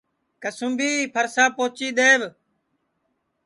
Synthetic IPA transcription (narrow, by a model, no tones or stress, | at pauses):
kəsʊ̃mbiːpʰəɾsaːpoːt͡ʃiːd̪eːʋ